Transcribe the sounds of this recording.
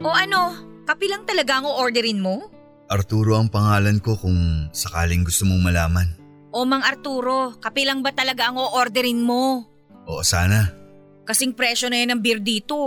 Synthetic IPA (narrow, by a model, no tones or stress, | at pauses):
ʔo̞ʔɐno̞kɐpɪlɐŋt̪ɐlɐɡaʔɐŋoʔoɾd̪ɛɾɪnmo̞ | ʔɐɾt̪uːɾo̞ɐŋpɐŋaːlɐnko̞kʊŋsɐkaːlɪŋɡʊst̪omoŋmɐlaːmɐn | ʔo̞mɐŋɐɾt̪uːɾo̞kɐpilɐŋbɐt̪ɐlɐɡaʔɐŋoʔoɾd̪ɛɾɪnmo̞ | ʔo̰ʔosaːnɐ | kɐsɛŋpɾɛʃo̞nɐjonɐŋbɪɾd̪iːt̪o̞